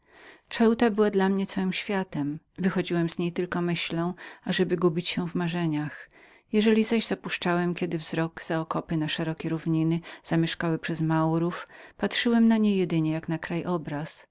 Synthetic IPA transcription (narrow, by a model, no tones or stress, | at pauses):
t͡ʂɛwt̪abɘwad̪lamɲɛt̪sawɘmɕfʲjat̪ɛm | vɘxɔd͡ʑiwɛmzɲejt̪ɘlkɔmɘɕlɔ̃w̃aʐɛbɘɡubʲit͡ɕɕɛvmaʐɛɲax | jɛʐɛlʲizaʑzapuʂt͡ʂawɛmkʲɛd̪ɘvzɾɔɡz̥aɔkɔpɘnaʂɛɾɔkʲeɾuvɲinɘz̥amʲjɛʂkawɘpʂɛzmawɾufpatʂɘwɛmnaɲejɛd̪ɘɲɛjaknakɾajʔɔbɾas